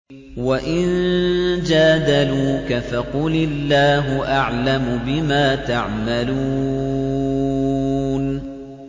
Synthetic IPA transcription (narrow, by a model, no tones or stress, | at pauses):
waʔɪnd͡ʒaːd̪aluːkafaqʊlɪlːaːɦʊʔaʕlamʊbɪmaːt̪aʕmaluː | n